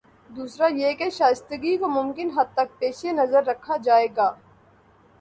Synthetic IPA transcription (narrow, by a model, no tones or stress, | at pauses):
d̪uːsɾajekeʃaːst̪əɡikomʊmkɪnɦɐd̪̚t̪ɐk̚peːʃenɐzəɾːɐkʰːad͡ʒaːeːɡaː